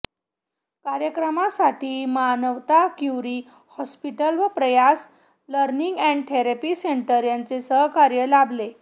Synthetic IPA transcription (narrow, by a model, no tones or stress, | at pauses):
kaɾjəkɾəmasaʈʰiːmanəʋt̪akjuɾiː | hɔspiʈəlʋəpɾəjas | ləɾniŋɡæ̃ɳɖt̪ʰeɾapiːseɳʈəɾjant͡sesəɦkaɾjəlable